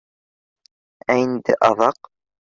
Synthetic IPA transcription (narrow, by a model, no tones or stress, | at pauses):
æind̪ɘ̰ʔɑðɑq